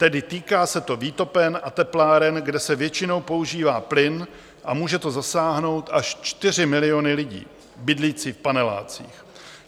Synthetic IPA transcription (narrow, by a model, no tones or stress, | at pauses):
t̪ɛdɪt̪iːkaːsɛt̪o̞viːt̪o̞pɛnʔat̪ɛplaːɾɛnɡdɛsɛvjɛt͡ʃɪno̞wpo̞uʒiːvaːplɪn | ʔamuːʒɛt̪o̞zasaːɦno̞wt̪ʔaʃt͡ʃt̪ɪr̝ɪmɪlɪo̞nɪlɪɟḭː | bɪdliːt͡siːfpanɛla̰ːt͡sḭːx